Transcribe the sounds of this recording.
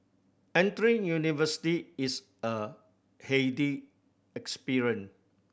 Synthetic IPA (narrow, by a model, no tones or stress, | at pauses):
ɛ̃ntɹĩŋjunivəsi̥tiːs | ə | hedi | ɛkspiɹiə̃n